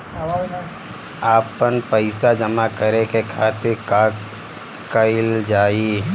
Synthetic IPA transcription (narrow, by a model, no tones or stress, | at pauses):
aːpənpəɪsad͡ʒəmakəɾekekʰaːt̪ɪɾkaː | kəɪld͡ʒaːi